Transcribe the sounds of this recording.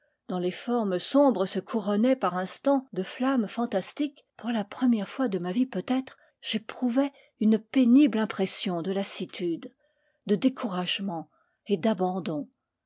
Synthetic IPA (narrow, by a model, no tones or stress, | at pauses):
d̪̥ɑ̃lefɔʁməsɔ̃bʁəsəkʰuʁɔnɛpaʁɛ̃st̪ɑ̃d̪əflamfɑ̃t̪ast̪ik | puʁlapχəmjɛʁfwad̪əmavipøt̪ɛt̪χ | ʒ̥epχuvɛ | ynpeniblɛ̃pχɛsjɔ̃d̪əlasit̪ʰyd̪ | d̪əd̪ekʰuʁaʒmɑ̃ | ed̪abɑ̃d̪ɔ̃